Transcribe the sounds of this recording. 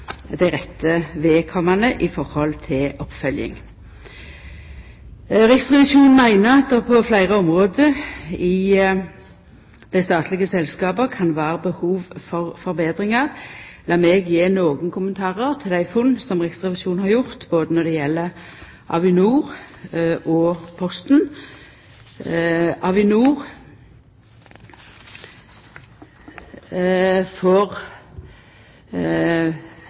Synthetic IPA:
d̪æɪʁɛt̪ʰːəʋeːkʰɔmːɑnəʔɪfɔʁhɔlt̪ʰɪlʔɔpfœljɪ̰ŋ | ʁɛkst̪ʁɪʋɪʃuːnmæɪnəʁɑt̪̚d̪ɛʁpʰɔflæɪʁəɔmʁoːd̪əɪ | d̪̥æɪst̪ɑːt̪ʰlɪɡəsɛlskɑːbəkʰɑnʋæːʁəbəhuːʋfɔʁfɔɾbeːd̪ʁɪŋɑʁlɑːmeɡjeːnoːɡənkʰʊmənt̪ʰɑːʁəʁt̪ʰɪld̪æɪfʊnːsɔmʁɛst̪ʁɛʋɪʃuːnhɑʁjʊʁt̪boːd̪ənɔd̪ɛjɛlːə | ʔɑ̰ʋɪnuːʁ | ʔɔpʰɔst̪n | ʔɑʋɪnuːʁ | fɔʁ

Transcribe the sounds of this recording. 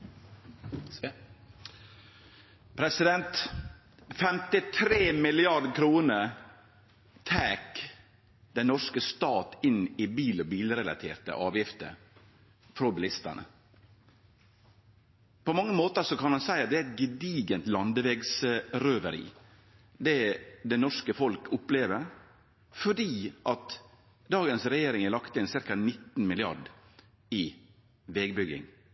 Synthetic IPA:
pʰɾɛsɪd̪ɛnt̪ | fɛmt̪ɪt̪ʰɾeːmɪlɪɑɖkʰɾuːnəɾ | t̪ʰæːk | d̪ɛnnɔʂkəst̪ɑːt̪ɪnɪbiːlɔbiːlɾɛlɑ̰t̪ʰḛːɾt̪ə̰ʔɑːʋjɪft̪ə̰ɾ | fɾɔbɪlɪst̪ə̰ɳə̰ | pɔmɑŋːəmoːt̪əɾsɔkɑnhɑnsæɪɑt̪̚d̪ɛæɛt̪̚ɡəd̪iːɡənt̪lɑnd̪əʋɛɡsɾøːʋəɾḭː | d̪ɛːd̪ɛnɔʂkəfɔlkʰʊpleːʋəɾ | fɔɖiːʔɑt̪ | d̪ɑːɡənsɾɛjeːɾɪŋælɑkt̪əɪnsɪɾkɑnɪt̪ːn̩mɪlɪɑɖ | ɪ | ʋɛːɡbʏɡɪ̰ŋ

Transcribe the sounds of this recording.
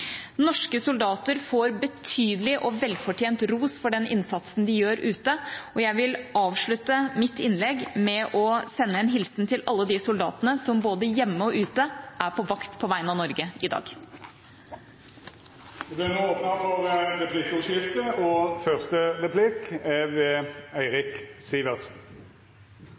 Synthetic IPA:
nɔʂkəsʊld̪ɑːt̪əɾfoːɾbət̪ʰyːd̪əlɪʔɔʋɛlːfɔʈʰjeːnt̪ɾuːsfɔɖɛnɪ̰nsɑt̪sn̩d̪ɪjøːɾʉːt̪əɔjæɪʋɪlɑːʋʂɭʉt̪ːəmɪt̪ɪnːlɛɡmɛʔɔsɛnːəɛnɦɪlsnt̪ʰɪlʔɑlːəd̪ɪsʊld̪ɑ̰ːt̪ənəsɔmboːd̪əjɛmːəɔʔʉːt̪əʔæɾpʰɔʋɑkt̪pʰɔʋæɪənɑʋnɔɾɡəɪd̪ɑ̰ːɡ | b̪ɛnəoːpnɑfɔʁəɾɛpʰlɪkɔʃɪft̪əɔfœʁst̪əʁɛpʰlɪkɛʋɛæɪʁɪksiːʋəʁsn̩

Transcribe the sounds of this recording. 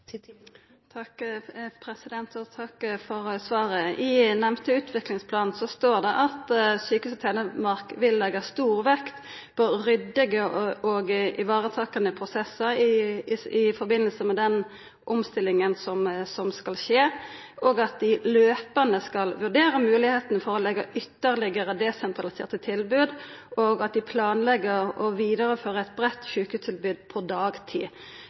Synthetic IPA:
t̪ʰɑkpʰɾɛsɪd̪ɛnt̪ɔt̪ʰɑkfɔɾsʋɑːɾəɪnɛmt̪əʉːt̪ʰʋɪklɪŋspʰlɑːnn̩sɔst̪oːʁd̪ɛʔɑt̪syːkəʉːst̪ʰɛːnəmɑʁkʋɪlːɛɡɑst̪uːʁʋɛkt̪ | pʰɔʁʏd̪ɪɡəɔɡʔɪʋɑːɾət̪ʰɑːkɑnəpʰɾʊsɛsːəɾɪɪfɔɾbɪnːəlsəmɛd̪ɛn | ʔʊmst̪ɪlːɪŋənsɔmsɔmskɑlʃeː | ʔoːɡɑt̪̚d̪ɪløːpənəskɑlʋʉʁɖ̪eːɾəmʉːlɪheːt̪ənfɔɾʁɔlɛɡːɑʔʏt̪ːəʁlɪɡəɾəd̪ɛsɛnt̪ɾɑlɪsḛːʁt̪ət̪ʰɪlbʉːd̪oɡɑt̪̚d̪ɪpʰlɑːnlɛɡəɾɔʋiːd̪əɾəføːɾəɛɪt̪̚bɾɛt̪ːʃʉːkhʉt̪ʰɪlbʉːd̪pʰɔd̪ɑːɡt̪ʰḭː

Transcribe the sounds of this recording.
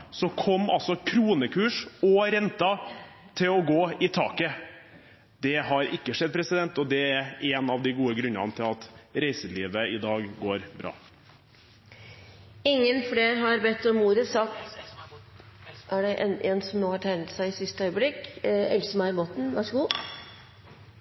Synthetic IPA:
sɔkʰɔmːɑ̰lsɔkʰɾuːnəkʰʉːʂɔɾɛnt̪ɑ | t̪ʰɪlɔɡoːɪt̪ʰɑ̰ːkə | d̪ɛɦɑɾɪkːəʂɛd̪̚pʰɾɛsɪd̪ɛnt̪ɔd̪ɛæɾɛnɑʋd̪ɪɡuːəɡɾʉnːɑ̰nət̪ʰɪlɑt̪ɾæɪsəliːʋəɪd̪ɑːɡɡoːɾbɾɑ̰ː | ɪŋːənfleːɾɦɑɾbɛt̪ːɔmːuːɾəsɑk̪ | ʔæɖɛʔɛnɛnsɔmnoːhɑʈʰæɪnət̪sæɪɪsɪst̪əœʏəblɪkɛ̰lsəmæɪboːt̪n̩ʋæʂəɡuː

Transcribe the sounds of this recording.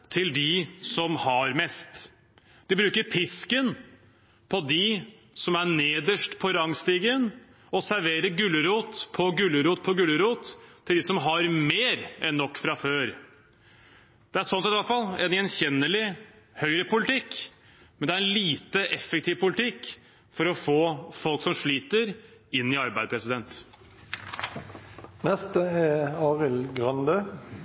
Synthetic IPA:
t̪ʰɪld̪ɪsɔmhɑɾmɛst̪ | d̪̥ɪbɾʉːkəɾpʰɪskən | pʰɔd̪ɪ | sɔmæɳeːd̪əʂʈpʰɔɾɑŋst̪iːɡən | ɔsæɾʋeːɾəɡʉlːəɾuːt̪pʰɔɡʉləɾuːt̪̚pʰɔɡʉlːəɾuːt̪ʰːɪld̪ɪsɔmɦɑɾmeːɾɛnːɔkːfɾɑføːɾ | d̪̥ɛæʂɔnsɛt̪ʋæt̪fɑlɛ̰nɛnçɛnːəlɪ | hœʏɾəpʊlɪt̪ʰɪkː | mɛnd̪ɛæɾɛnliːt̪əʔɛfɛkt̪ʰiːʋpʰʊlɪt̪ʰɪkː | fɔɾɔfoːfɔlksɔmʂɭiːt̪əɾɪnːɪɑɾbæɪd̪əpʰɾɛsɪd̪ɛnt̪ | nɛst̪əɛɑːʁɪlɡʁɑnd̪ø

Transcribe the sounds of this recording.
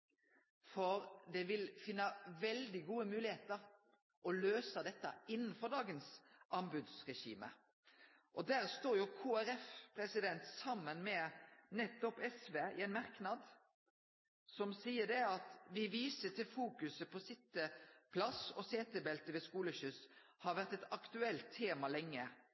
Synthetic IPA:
fɔɾd̪ɛʋɪlfɪnːɑʋɛld̪ɪɡuːəmʉːlɪheːt̪əɾ | ʔɔløːsəd̪ɛt̪ːɑɪnːn̩fɔʁɖ̪ɑːɡənsʔɑmbʉd̪sʁɛʃḭːmə̰ | ʔɔd̪æːʁst̪oːɾjʊkʰuːæɾɛfpʰɾɛsɪd̪ɛnt̪sɑmːənmɛnɛt̪ːɔpɛsʋeːɪɛnmɑʁknɑd̪ | sɔmsiːəɖ̪ɛɑt̪ʋɪʋiːsət̪ʰɪlfuːkʉsəpʰɔsɪt̪ːəpʰlɑsɔseːt̪əbɛlt̪əʋɛskuːləɕʏs | hɑʋæʁt̪ɛt̪ɑkt̪ʉɛlt̪ʰːeːmɑlɛŋːə

